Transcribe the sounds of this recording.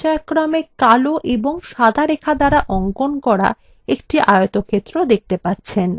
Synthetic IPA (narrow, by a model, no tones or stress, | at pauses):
aakːɾamekaloʔeboŋʃad̪ʱaɾekʰad̪aɾaʔɔŋkonkɔɾa̰ | ekʈiʔajot̪okʰet̪ːɾod̪ek̚ʰt̪epaɾt͡ɕʰen